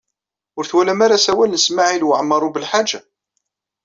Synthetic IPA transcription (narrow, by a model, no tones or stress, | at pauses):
ʊɾθwælæmaɾasæwælnəsmaʕilwəʕəmːɑɾˤubəlħad͡ʒːa